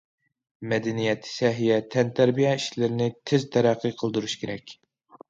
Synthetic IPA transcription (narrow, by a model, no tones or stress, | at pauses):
mɛd̪ɛnijɛt̪ʰsɛɦijɛt̪ʰɛnt̪ʰæɾbijɛiʃlɪɾɪnɪt̪ʰɪzt̪ʰæɾæqʰːɨqʰəlˠd̪uɾuʃkʲʰeɾɛkʲ